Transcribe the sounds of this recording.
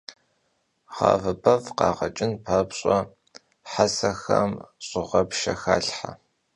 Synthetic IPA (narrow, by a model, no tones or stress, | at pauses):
ʁɑ̰ːvɐpʰɐvqɑ̰ːʁɐt͡ʃʼɪnpʰaːpɕʼɔ | ħasɐxɐmɕʼʊʁɐpʃɐxaːɬħa